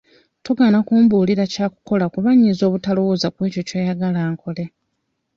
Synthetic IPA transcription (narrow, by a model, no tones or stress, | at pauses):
toɡaːnakuːmbuːliɾacaːku̥ko̞lakuβaɲːizo̞ːβutalowozakwe̞ːco̞cweːjaɡalaːŋko̞le̞